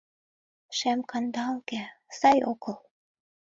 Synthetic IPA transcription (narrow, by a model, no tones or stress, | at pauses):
ʃæmkɑnd̪ɑlkæsɑjokɤ̆l